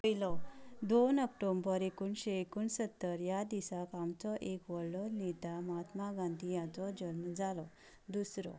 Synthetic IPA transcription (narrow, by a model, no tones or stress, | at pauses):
pjlɔd̪onəkʈombəɾekuːnɕeekuːnsət̪ːəɾjad̪isakamt͡sɔʔekʋɔɽlɔnid̪ʱaməɦat̪maɡãnd̪ʱijãt͡sɔd͡ʑənmd͡zalɔ | d̪usɾɔ̰